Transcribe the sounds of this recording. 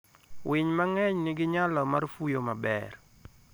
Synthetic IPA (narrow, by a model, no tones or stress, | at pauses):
wɪɲmaŋɛɲnɪɡɪɲalɔmarfujomabɛ̰r